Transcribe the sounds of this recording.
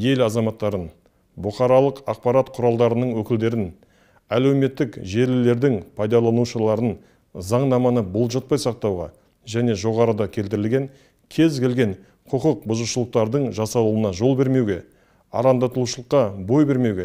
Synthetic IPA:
je̞lɑzɑmɑt̪ːɑɾən | bʊχɑɾɑlˠəqɑq̚pɑɾɑt̪qʰʊɾɑlˠd̪ɑɾənəɴwɵkʲɪld̪e̞ɾɪn | æle̞wme̞t̪ːɪkʒe̞ɾlɪle̞ɾd̪ɪŋpʰɑjd̪ɑlˠɑnuʃəlˠɑɾən | zɑɴnɑmɑnəbolˠʒɑt̪̚pɑjsɑq̚t̪ɑwʁɑ̰ | ʒæne̞ʒo̞ʁɑɾəd̪ɑkʲʰe̞lt̪ɪɾɪlɡʲe̞ŋ | kʲʰe̞zkʲʰe̞lɡʲe̞ŋ | qʰəqəq̚bʊzəʃəlˠəq̚t̪ɑɾd̪əɴʒɑsɑlˠuwənɑʒo̞lˠbe̞ɾme̞wɡʲe̞ | ɑ̰ɾɑnd̪ɑt̪əlˠuʃəlˠəqːɑbo̞jbe̞ɾme̞wɡʲe̞

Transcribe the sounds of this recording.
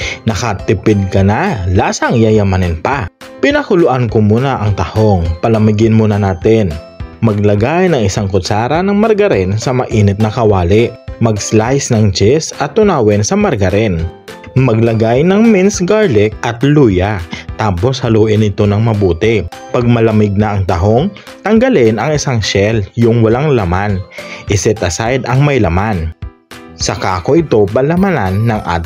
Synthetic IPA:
nɐkɐt̪ɪpɪd̪̚kɐnalaːsɐŋjajɐmanɪnpa | pɪnɐkʊlʊʔankomuːnaʔɐŋt̪ɐhoŋpɐlɐmɪɡɪnmunɐnaːt̪ɪn | mɐɡ̚lɐɡajnɐŋɪsaŋkʊsaːɾɐnɐŋmɐɾɡɐɾɛnsɐmɐʔiːnɪt̪̚nɐkɐwaːlɪʔmɐɡslajsnɐŋt͡ʃɛsɐt̪ːʊnaːwɛnsɐmɐɾɡɐɾɛn | mɐɡ̚lɐɡajnɐŋmɪnsɡaɹlɛk̚ɐt̪luːjɐt̪aːpo̞shɐloːʔɪnɪt̪o̞nɐŋmɐbuːt̪ɛpɐɡ̚mɐlɐmɪɡ̚nɐʔɐŋt̪ɐɦo̞ŋ | t̪ɐŋɡɐlɪnɐŋɪsaŋʃɛljʊŋwɐlaŋlɐmanʔɪsɛt̪ɐsajd̪ɐŋmɐjlɐman | sɐkaːko̞ʔɪt̪o̞pɐlɐmananːɐŋʔa̰ːt̪

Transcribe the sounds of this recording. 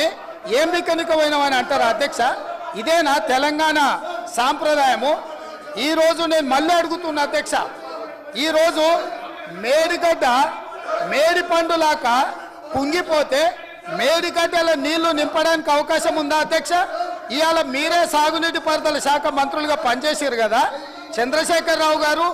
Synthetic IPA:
eːmʋikɐnikɐʋɐjnɐʋɐniɐɳʈaːɾaɐd̪ʱjɐkʂɐid̪ɛːnaːt̪ɛlɐŋɡaːɳɐsaːmpɾɐd̪aːjɐmu | iːɾo̞ːd͡ʒune̞ːnumɐlːiɐɽuɡut̪unːɐd̪ʱjɐkʂɐ | iːɾo̞ːd͡ʒu | meːɽiɡɐɖːɐ | meːɽipɐɳɖulaːkɐ | kuŋɡipo̞ːt̪e̞ː | meːɽiɡɐɖːɐlɐniːlːunimpɐɽaːnikiɐʋɐkaːʃɐmund̪aːɐd̪jɐkʂɐijaːlɐmiːɾeːsaːɡuniʈipɐɾd̪ɐlɐʃaːkʰɐmɐnt̪ɾuluɡaːpɐnt͡ʃeːʃaːɾuɡɐd̪aː | t͡ʃɐnd̪ɾɐʃɛːkɐɾːaːwuɡaːɾu

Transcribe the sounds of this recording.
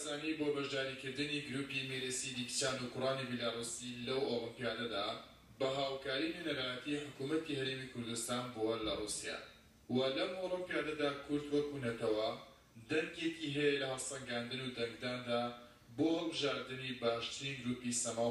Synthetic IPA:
zaːnibobɐʒd̪aːɾikɨɾd̪ɨniɡɨɾuːpimeɾesid̪ikt͡ʃaːnukʊraːnibilaːrˤusilɐwoːɾɨmpijaːnɐd̪a | bɐɦaːwkaːɾinenɐɾaːjɐt̪iħʊkumɐt̪ihɐɾeːmikʰʊɾd̪ust̪aːnbolɐrˤuːsija̰ː | wɐlɐmʔoːɾɨmpjaːnɐd̪aːkʰʊɾd̪wɐkunɐt̪ɐwɐ | d̪ɐŋɡekiɦɛjɛlɐɦɐst̪ɐŋɡaːnd̪ɨnud̪ɐŋɡd̪aːnd̪aː | bohɐlˠbɨʒaːɾd̪ɨnibaːʃt̪ɨɾinɡɨɾuːpisɐma

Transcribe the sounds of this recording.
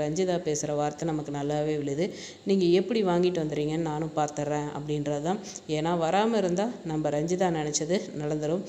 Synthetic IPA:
ɾɐɲd͡ʒɪðaːpeːsɯɾɐʋaːɾt̪ɐnɐmɐkːɯnɐlːaːʋeːʋɪɭɪjɐðɯ | niːŋɡɐɛpːɐɽiʋaːŋɡɪʈːɯʋɐnd̪ɯɾiːŋɡɐnːnaːnʊ̃paːɾt̪ɐɾẽːɐ̰pːɐɽɪnɾaːt̪ãː | eːnaːʋɐɾaːmɐɪɾɯnd̪aːnɐmbɐɾɐɲd͡ʒɪðaːnɪɳɛt͡ʃːɐðɯnɐɽɐnd̪ɯɾɯm

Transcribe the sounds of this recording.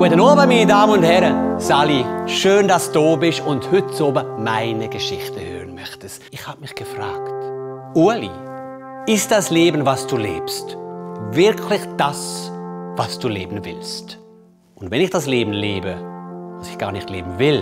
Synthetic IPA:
ɡ̥uətənɔːɐbəmiːnədaːmənʊnthɛʁəzaːliʃøːndasd̥oːbɪʃʊnthʏtt͡soːbəmaɪnəɡəʃɪxtəhø̰ːʁənmœxtəstɪxhaːbmɪxɡ̥əfʁaːkt | uɐlḭ | ɪst̚d̥asleːbn̩vasd̥uːlḛːpstvɪɐkʰlɪxd̥as | vasd̥uːlḛːbn̩vɪ̰lst | ʔʊntvɛnɪxd̥asleːbn̩leːbəvasɪxɡ̥aːɐnɪxtlḛːbn̩vɪl

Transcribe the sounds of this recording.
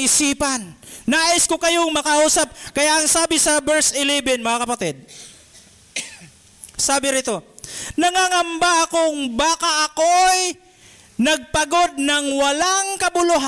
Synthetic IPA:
ɪsiːpɐnːaːʔɪskokɐjoŋmɐkɐʔuːsɐp̚kɐjaʔɐŋsaːbɪsɐbɛɹsɪlɛbɛnmɐŋakɐpɐt̪ɛd̪̚ | saːbɪɾɪt̪o̞nɐŋaŋɐmbaʔɐkoŋbaːkɐʔɐkoj | nɐɡ̚pɐɡo̞d̪̚nɐŋwɐlaŋkɐbʊlʊɦa

